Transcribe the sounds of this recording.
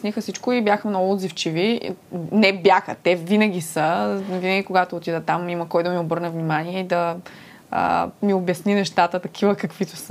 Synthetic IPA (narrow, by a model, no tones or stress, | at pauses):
snixəsit͡ʃkʊibjaxəmnɔɡʊd̪zift͡ʃivi | nɛbjaxə̰t̪ɛvinəɡ̟ʲisəvinəɡʲikoɡat̪oːt̪id̪ət̪amimɐkɔjd̪ɐmiobɤɾnɛvnimaniɛid̪ɐ | ə̰miobjɐsninɛʃt̪at̪ət̪ɐkʰivəkɐkvit̪o̥s